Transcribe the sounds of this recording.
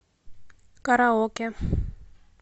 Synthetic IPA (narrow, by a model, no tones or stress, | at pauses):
kʼaɾaɦokɛ